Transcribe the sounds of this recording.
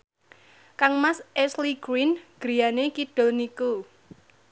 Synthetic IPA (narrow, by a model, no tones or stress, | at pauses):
kaŋmasʔɛsliɡ̥ɾinɡ̥ɾi̤janekiɖ̥o̤lniku